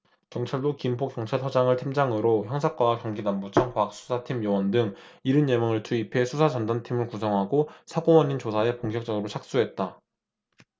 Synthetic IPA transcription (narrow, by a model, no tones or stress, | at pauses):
kjʌŋt͡ɕʰaɭdokimpʰokjʌŋt͡ɕʰaɭtʰʌd͡ʑaŋɯɭtʰimd͡ʑaŋɯɾoçjʌŋsʰak͈aakjʌŋɡinambut͡ɕʰʌŋkak̚s͈ʰu̥sʰatʰimjʌwʌndɯŋ | iɾɯnjemʌŋɯɭt͡ɕʰuipʰe̞sʰusʰat͡ɕʌndantʰimɯɭkus̬ʰʌŋɦaɡosʰaɡowʌɲint͡ɕosʰae̞poŋɡjʌk̚t͡ɕ͈ʌɡɯɾot͡ɕʰak̚s͈uɦe̞t̚t͈a